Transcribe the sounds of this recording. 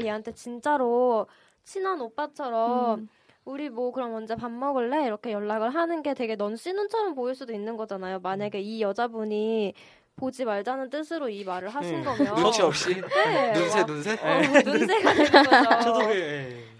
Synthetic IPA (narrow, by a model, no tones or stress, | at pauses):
je̞ɦantʰe̞t͡ɕint͡ɕ͈aɾo | t͡ɕʰinanop͈at͡ɕʰʌɾʌm | uɾimwʌkɯɾʌmːʌnd͡ʑe̞pamːʌɡɯɭːe̞iɾʌkʰe̞jʌɭːaɡɯɭɦanɯnɡe̞te̞ɡe̞nʌnɕ͈inɯnt͡ɕʰʌɾʌmpoiɭs͈udoinːɯnɡʌd͡ʑanajomaɲaɡe̞ijʌd͡ʑabuɲi | pod͡ʑimaɭd͡ʑanɯnt͈ɯsʰɯɾoimaɾɯɭɦaɕʰinɡʌmjʌiʌp̚ɕ͈ineeunsʰenunsʰenunsʰe̞ɡa